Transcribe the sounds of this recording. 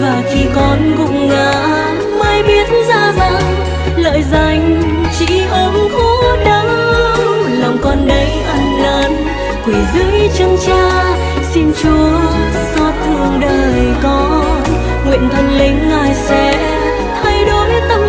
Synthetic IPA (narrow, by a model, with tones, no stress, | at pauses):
vaː˨˩xi˧kɔ˨˦nkʊ̰˧˨ŋ͡mŋa̰ː˧˨ | ma˧jɓi˨˦ətnzaː˧˩za̰˧˥n | lə̰ː˧˨jza˧˩jŋ̟ | t͡ɕḭ˧˥ʔə˨˦mxɔ˧˦ɗə˨˦ŋ | la˨˩wŋ͡mkɔ˧nɗə˨˦jʔa˧ŋləː˨˦n | t̪i˨˩zɨ˧˨˦jt͡ɕə˧nt͡ɕaː˧ | si˧nt͡ɕu˨˦ə | sɔ˨˦t̚vu˧˩ŋɗəː˨˩jkɔ˨˦ | ŋwḭ˧˨ənt̪ʰə˧nlï˨˦ŋ̟ŋaː˨˩jsɛ̰˧˥ | t̪ʰa˧jɗo˨˦jt̪ə˧